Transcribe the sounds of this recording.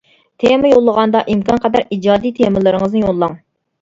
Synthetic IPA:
t̪ʰemɪjolˠːəʁɑnd̪ɑʔimkɑnqʰɑd̪ɑɾid͡ʒɑːd̪it̪ʰemɪlɪɾɪŋəznɨjolˠːɑŋ

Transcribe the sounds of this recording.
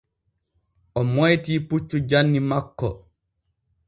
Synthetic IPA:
ʔɔmɔjtiːput͡ʃːud͡ʒanːimakːɔ̰

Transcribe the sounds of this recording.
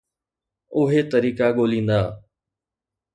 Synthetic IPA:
ʊɦet̪əɾiːkaɠoːlĩːnd̪aː

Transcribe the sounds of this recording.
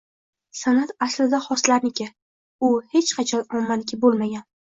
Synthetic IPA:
sanat̪aslɪd̪aχɒslaɾnɪkʲɪ | ʊhe̞t͡ʃqʰɑt͡ʃʰɒnɒmːalɪkʲʰɪbolmaɡʲan

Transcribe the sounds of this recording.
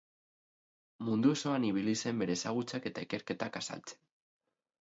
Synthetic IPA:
mund̪ueso̞aniβ̞ilise̞mbe̞ɾe̞ːsaɣ̞ut͡sake̞t̪aike̞ɾke̞t̪akasa̰lt͡se̥n

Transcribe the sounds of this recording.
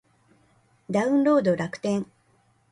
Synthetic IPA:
d̪aɯ̟̃nɾo̞ːd̪o̞ɾakɯ̥t̪ẽ̞ŋ

